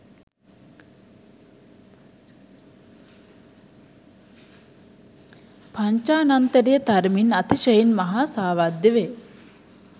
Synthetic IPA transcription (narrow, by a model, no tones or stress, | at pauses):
paɲt͡ʃaːnant̪əɾijət̪aɾminat̪iʃəjinmaɦaːsaːʋad̪ːeʋe